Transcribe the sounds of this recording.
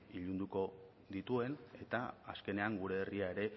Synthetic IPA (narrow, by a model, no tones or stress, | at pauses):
iʎund̪uko̞ | ðit̪ue̞ne̞t̪a̰aske̞ne̞aŋɡuɾe̞ːriae̞ɾe̞